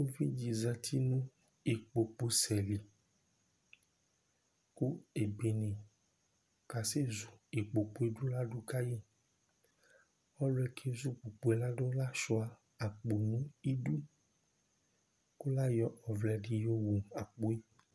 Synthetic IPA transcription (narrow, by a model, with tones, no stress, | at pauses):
o˦vi˦d͡ʒi˨zã˨t̪ʰi˦nũ˦ | i˨k͡po˨k͡po˨sɛ˨li˨ | ku˦e˨be˨nẽ˨ | ka˨se˦zu˨i˨k͡po˨k͡po˨˦e˦ɖo˦la˦ɖo˦ka˦ji˦ | ɔ˦lo˦ɛ˨kʰe˦zu˦k͡po˨k͡po˦e˨la˦ɖo˦la˦sɔ˨˦a˨ | a˨k͡po˨nũ˦i˦ɖu˦ | ko˦la˦jɔ˨˦ɔ˨vlɛ˨ɖi˨jo˦wu˨a˨k͡po˦e˦